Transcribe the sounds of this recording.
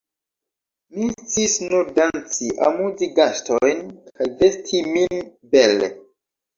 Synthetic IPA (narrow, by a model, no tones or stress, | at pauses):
mit͡sisnuɾdant͡siʔa̰muziɡastojnkajve̞stʰiminbelḛ